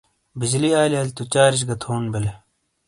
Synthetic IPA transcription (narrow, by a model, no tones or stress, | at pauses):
bid͡ʑliaːliaːlʲt̪ut͡ɕaːɾiɕ̬ɡɐt̪ʰoːnbele